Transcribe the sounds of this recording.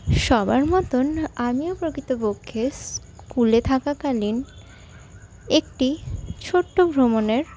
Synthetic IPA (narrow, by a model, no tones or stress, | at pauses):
ʃɔbaɾmɔt̪onamiopɾokɾit̪opokʰːes | kkulet̪ʰakakalin | ekʈit͡ɕʰoʈːobʱɾomoneɾ